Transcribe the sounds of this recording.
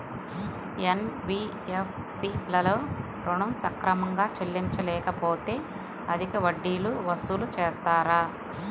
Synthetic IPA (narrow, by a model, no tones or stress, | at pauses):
enbiː | ep | siːlɐloː | ɾuɳɐmsɐkɾɐmɐŋɡaːt͡ʃelːiɲt͡ʃɐlɛːkɐpo̞ːt̪e̞ː | ɐd̪ikiʋɐɖːiːluʋɐst̪ulut͡ʃeːst̪aːɾaː